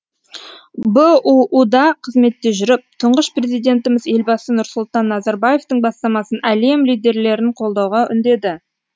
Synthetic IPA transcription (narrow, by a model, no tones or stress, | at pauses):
bəuʔud̪ɑqʰəzme̞t̪ːe̞ʒʏɾɪp̚t̪ʰʊɴʁəʃpre̞zijd̪e̞nt̪ɪmɪze̞lbɑsənʊɾsʊlˠt̪ɑnːɑzɑɾbaje̞ft̪əɴbɑst̪ɑmɑsənʔæle̞mlijd̪e̞ɾle̞ɾɪɴqʰo̞lˠd̪ɑwʁɑʔʏ̰nd̪e̞d̪ɪ